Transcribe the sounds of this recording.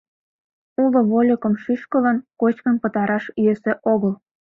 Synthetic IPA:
ulŏβolʲəkə̆mʃyʃkə̆lɑnkot͡ɕkənpət̪ɑɾɑʃyesĕʔoɣəl

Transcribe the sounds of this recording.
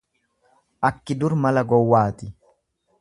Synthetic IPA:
ʔɐkːɪd̪ʊɾmɐlɐɡɔwːaːt̪ɪ

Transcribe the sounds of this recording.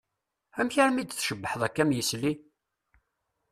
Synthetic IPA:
æmçəɾmid̪θʃəbːəħəðˤækːæmjəsli

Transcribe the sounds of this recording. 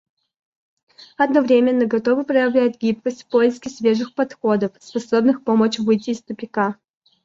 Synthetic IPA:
ɐd̪nɐvɾʲemʲɪnːəɡɐt̪o̞vɨpɾəjɪvlʲæt̪̚ʲɡʲip̚kəsʲtʲfpoɪskʲɪsvʲeʐɨxpɐt̪xo̞d̪əfspɐsobnɨxpomət͡ɕvɨjtʲɪːst̪ʊpʲɪka

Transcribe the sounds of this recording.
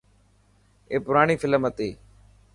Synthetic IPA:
eːpʊɾaːɳiːfɪləmət̪eː

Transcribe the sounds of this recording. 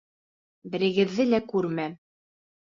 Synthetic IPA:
bɘ̆ɾɘ̆ɡɘ̆ðːɘlækʉɾmæ

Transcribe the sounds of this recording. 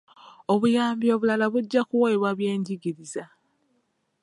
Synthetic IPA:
o̞βujaːmbio̞βulalaβuɟːakuwoeβwaβje̞ːɲɟiɡiɾiza

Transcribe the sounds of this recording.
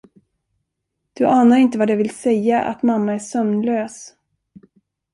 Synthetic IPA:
d̪̥ɵʔaːnaɾɪnt̪əvad̪ɛvɪlsɛjːaʔa̰t̪mamːaæʂœmnløːs

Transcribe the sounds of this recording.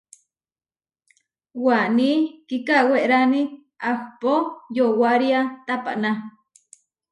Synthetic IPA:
wanikikaweʔɾani | axpojowaɾiat̪apa̰ʔna

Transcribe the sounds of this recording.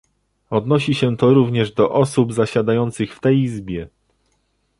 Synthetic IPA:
ɔd̪nɔɕiɕɛt̪ɔɾuvɲɛʐd̪ɔʔɔsubzaɕad̪ajɔnt̪sɘxft̪ɛjizbʲjɛ

